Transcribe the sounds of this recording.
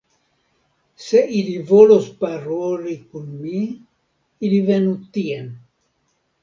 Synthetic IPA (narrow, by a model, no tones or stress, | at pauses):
se̞ʔilivo̞lospaɾolikunmi | ilive̞nut̪ien